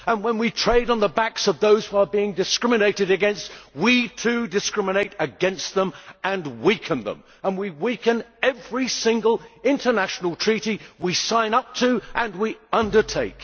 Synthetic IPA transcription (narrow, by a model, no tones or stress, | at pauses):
ə̃nwə̃nwitʰɹ̥eɪɾn̩ðəbæksʌvðoʊz̥huə˞biɪ̃ŋdɨskɹɪ̃mɨneɪɾɨɾɨɡɛ̃nst̚witʰʉdɨskɹ̥ɪ̃mɨneɪɾɨɡɛ̃nst̪̚ðə̃mʔə̃nwikʰə̃nðə̰̃m | ə̃nwiwikɨ̃nɛvɹisɪ̃ŋɡəl̩ˠɪ̃ntʰə˞næʃn̩l̩ˠtʰɹ̥iɾiwisãɪ̃nʌp̚tʰɨʔə̃nwiʌ̃ndə˞tʰeɪk